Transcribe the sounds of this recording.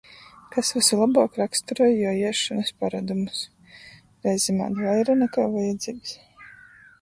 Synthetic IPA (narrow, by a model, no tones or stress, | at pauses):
kasvasilˠabaːkɾakst̪uɾɔjjɔjiɛʃanɐspaɾad̪umus | ɾɛjzima̰ːd̪vajɾanɛkaːvajad̪ziːɡs